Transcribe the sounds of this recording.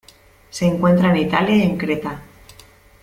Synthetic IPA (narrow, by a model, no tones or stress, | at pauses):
se̞ːŋkwe̞nt̪ɾaenit̪aljaeŋkɾet̪a